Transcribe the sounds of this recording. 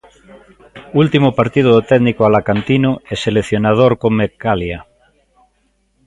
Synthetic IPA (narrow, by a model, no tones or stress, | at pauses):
ult̪imopaɾt̪iðoðet̪ɛðnikoalakant̪inoɛseleθjonað̞oɾkoŋmekalja